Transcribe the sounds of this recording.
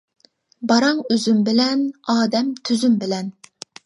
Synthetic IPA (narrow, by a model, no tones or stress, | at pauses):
bɑɾɑŋøzymbɪlɛnɑːd̪ɛmt̪ʰyzymbɪlɛn